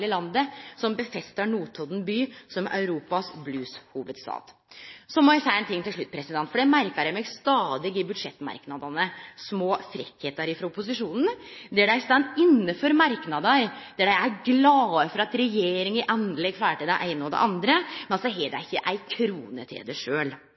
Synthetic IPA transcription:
ləlɑnd̪əsɔmbəfɛst̪ɑɳuːt̪ʰɔd̪n̩byːsɔmɑ̰ʉɾuːpɑsblʉːshuːʋəd̪st̪ɑ̰ːt̪sɔmɔæsæɪɛnt̪ɪŋːt̪ɪʂɭʉt̪̚ːpʰɾɛsɪd̪ɛnt̪fɔɖɛmæɾkəɾæɪmɛɡst̪ɑːd̪ɪɡɪbʉd̪ʂɛt̪ːmɑ̰ɾknɑd̪ɑnəsmoːfɾɪkheːt̪əɾɪfɾɑʊpʊs̬ɪʂuːnn̩d̪æɖææst̪ɑnt̪ɪnːəføɾmɑɾknɑd̪ɑɾd̪æɖæɪæɾɡlɑːəfɔɾɑt̪ɾɛjeːɾɪŋɪʔɑnlɛɡflæːɾʈəd̪æʔæɪnəɔd̪ɛ̰ʔɑnd̪ɾəmɛnsɔɦɛːd̪æ̰ɪçːəʔæɪkʰɾuːnə̰t̪ʰɪ̰d̪əʂøːl

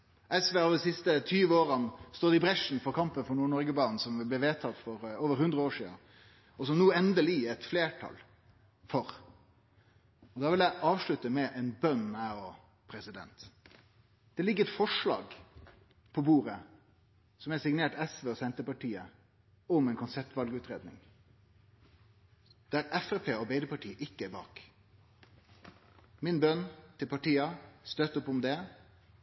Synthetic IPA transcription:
ʔɛsʋeːɑʋd̪ɪsɪst̪ət̪ʰyːʋəoːɾənst̪oːd̪ɪbɾɛʂn̩fɔɾkʰɑmpənfɔɳuːɳɔɾɡəbɑːnn̩sɔmʋɪlbliːʋeːt̪ʰɑt̪ːfɔɾoːʋəɾhʉnd̪ɾəoːʂḭːə̰ | ɔsɔmnuːɛnd̪əliːɛt̪fleːʈʰɑ̰l | fɔɾ | ɔd̪ɑːʋɪljæɪʔɑːʋʂɭʉt̪əmɛʔɛnbœnæɔ | pʰɾɛsɪd̪ɛ̰nt̪ | d̪̥ɛlɪɡːəɛt̪fɔʂlɑ̰ːɡ | pʰɔbuːɾə | sɔmɛsɪɡneːʈɛsʋeːɔsɛnt̪əpɑʈʰiːə | ʊmɛɪnkʰʊnsɛp̚t̪ʋɑlɡəʉːt̪ɾeːd̪nɪ̰ŋ | d̪̥æɾɛfæpʰeːɔbɛɪd̪əpɑʈʰiːʔɪkːəæbɑ̰ːk | mɪnbœnt̪ʰɪlpɑʈiːɑst̪øːt̪ʊpːʊmd̪ɛ

